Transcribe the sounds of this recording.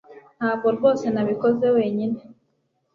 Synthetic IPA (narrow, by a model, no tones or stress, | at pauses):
n̥haːβɡoɾɡo̞ːse̞naβikoze̞we̞ːɲine̞